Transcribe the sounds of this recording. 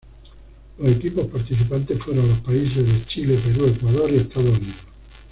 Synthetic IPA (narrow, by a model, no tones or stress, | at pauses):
losekipospaɾt̪it͡ʃipant̪efuɾonlospais̬ezðet͡ʃilepeɾuekwaðoɾiest̪aðouniðo